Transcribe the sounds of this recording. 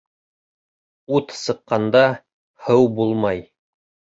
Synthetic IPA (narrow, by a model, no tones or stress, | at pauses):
ut̪sɤ̆qːɑnd̪ɑ | hɤwbulˠmɑj